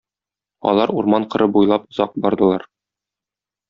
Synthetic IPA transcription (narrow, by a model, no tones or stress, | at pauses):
ɒ̰lˠɑɾuɾmɑɴqɤ̆ɾɤbujlˠɑpŏzɑq̚bɒɾd̪ɤ̆lˠɑɾ